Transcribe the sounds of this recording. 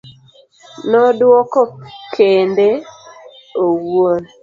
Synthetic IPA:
nɔdwɔkɔkʰende | owon

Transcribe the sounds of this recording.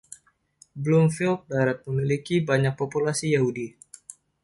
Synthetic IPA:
blumfilp̚daɾat̪̚məmilikibaɲak̚populasijaɦudi

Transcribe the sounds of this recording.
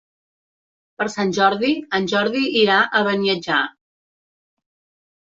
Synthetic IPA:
pəɾsanʲʒɔɾðiənʲʒɔɾðiʔːɾaʔəβəniəd͡ʒa

